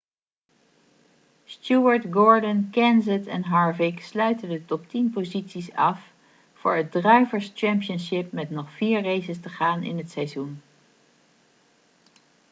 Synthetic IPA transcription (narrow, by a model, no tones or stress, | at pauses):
stjuəɹtɡɔɹdənkɛnzətɛnɦɑɹvɪkslœɥtəndətɔp̚tinpozitsisɑf | fʊ̰ːɹɦət̚drœɥvəɹst͡ʃɛmpijənsɪpmɛtnɔχfiːɹrejzəstəχaːnɪ̰nɦətsɛjzun